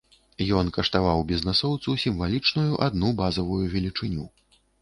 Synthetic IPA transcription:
jɔnkɐʂt̪avawbʲiznɛsɔwt̪susʲimvalʲit͡ʂnujuʔad̪nubazɐvujuvʲɛlʲit͡ʂɨnʲu

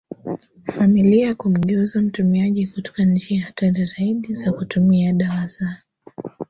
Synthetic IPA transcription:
familiaakum̩ɠɛuzam̩tumiaʄikutɔ̥kant͡ʃihataɾizaiɗizakutumiaɗaɾasa

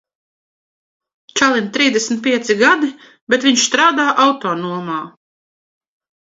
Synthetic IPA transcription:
t͡ʃalˠint̪ɾiːzd̪ʲɛsmʲt̪̚pʲiɛt̪siɡad̪i | beɛt̪viɲʃst̪ɾaːd̪aːʔawt̪ɔːnuɔmaː

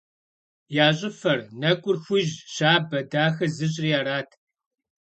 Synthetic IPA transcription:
jaːɕʼɪfɐrnɐkʷʼʊrxʷʊʒɕaːbɐdaːxɐzɨɕ̬ʼrijaːɾaːtʰ

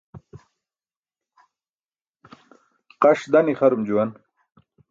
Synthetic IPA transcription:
qaʂd̪aniχaɾumd͡ʑuwɐn

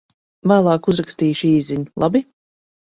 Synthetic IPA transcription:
væːlˠɑːkuzɾakst̪iːʃiːziɲlˠabi

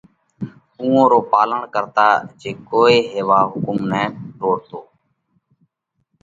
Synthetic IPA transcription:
ũːõːɾoːpaːləɳkəɾt̪aːd͡ʒeːkoːeːɦeːʋaːɦʊkʊmnɛ̃ːʈoːɽt̪oː

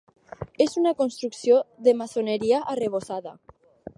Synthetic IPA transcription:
ezunakonst̪ɾuksjoðemasoneɾiaʔːreβ̞osaða̰

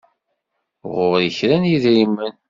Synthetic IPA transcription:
ʁʊvɾəçɾænjiðɾimːən

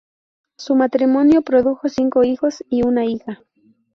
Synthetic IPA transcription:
sumat̪ɾimo̞njo̞pɾo̞ðuxo̞siŋko̞ixo̞siunaixa

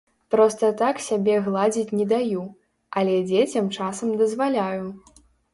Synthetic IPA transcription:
pɾɔst̪ɐt̪aksʲabʲɛɣlˠad͡zʲit͡sʲnʲɛd̪aju | ɐlʲɛd͡zʲet͡sʲɐmt͡ʂasɐmd̪ɐzvalʲaju

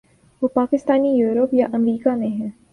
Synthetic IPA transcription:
ʋoːpaːkɪst̪aːnijuːɾəpjaʔɐmɾiːkamẽɦɛ̃ː

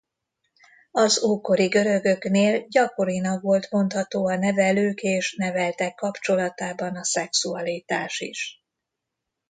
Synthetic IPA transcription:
ɒzoːko̞ɾiɡø̞ɾø̞ɡø̞kneːlɟɒko̞ɾinɒkvo̞lt̪mo̞nt̪hɒt̪oːɒnɛvɛløːkeːʃnɛvɛlt̪ɛkːɒpt͡ʃo̞lɒt̪aːbɒnɒsɛksuɒliːt̪aːʃḭʃ

